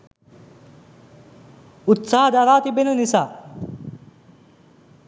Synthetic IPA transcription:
ut̪saːɦɐd̪aɾaːt̪ibenənisaː

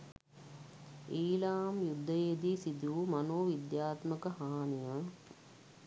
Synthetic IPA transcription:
iːlaːmjud̪ʱːɐjeːd̪isid̪uːmɐnoːʋid̪jaːt̪mɐkɐhaːnijɐ

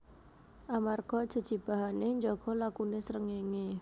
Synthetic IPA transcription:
ʔamarkɔd̥ʒ̥ə̤d̥ʒ̥i̤b̥a̤ɦaneɲd͡ʒɔɡ̥ɔ̤lakunesəɾəŋeŋe

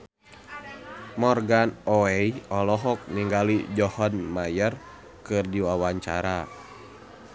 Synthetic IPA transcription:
mɔrɡanɔɛjɔlɔɦɔk̚niŋɡalid͡ʒɔhɔnmajɛr | kɨrdiwawaɲt͡ʃa̰ɾa

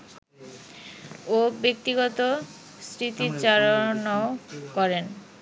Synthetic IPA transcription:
obek̚t̪iɡɔt̪o | sɾit̪it͡ɕaɾonaokɔɾen

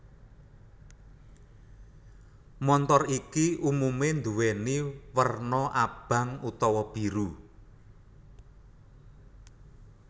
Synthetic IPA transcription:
mɔnt̪ɔrikiʔumumend̪uweniwərnɔʔab̥ä̤ŋut̪ɔwɔb̥i̤ɾu

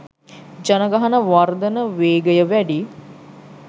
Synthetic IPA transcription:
d͡ʒanəɡaɦanəʋard̪ənəʋeːɡəjəʋæɖi

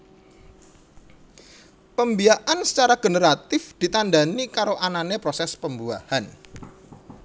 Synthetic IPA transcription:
pəmbiaʔansə̥t͡ʃaɾaɡ̥ənəɾat̪ɪfd̪̥i̤t̪andanikaɾoʔananepɾosɛspəmbuahan

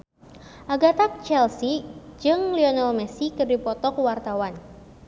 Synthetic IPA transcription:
ʔaɡat̪ak̚t͡ʃɛlsid͡ʒɨŋliɔnalmɛsikɨrdipɔt̪ɔkwart̪awan

